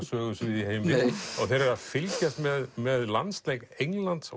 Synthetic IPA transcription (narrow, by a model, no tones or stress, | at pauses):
sœːɣʏsvɪðiheːjmɪðɔθeɾɛɾɾafɪlcast̪mɛðmɛðla̰nst̪lejknejŋlant̪s